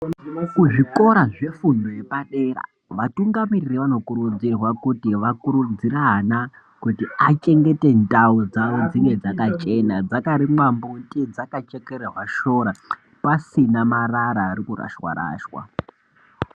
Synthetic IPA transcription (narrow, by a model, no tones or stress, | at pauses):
kuʐiko̞ɾaʐe̞fundo̞je̞paɗe̞ːra̰ | ʋatuŋɡamiririʋano̞kuɾud͡zirwakutiʋakuɾud͡zirana | kutiat͡ʃe̞ŋɡe̞te̞ntaud͡zaʋo̞d͡ziŋe̞d͡zakat͡ʃe̞nad͡zakaɾimwambuntʼid͡zakat͡ʃekeɾerwaʃo̞ːɾa | pasinamaraɾaːɾikura̰ʃwa̰ɾa̰ːʃwa̰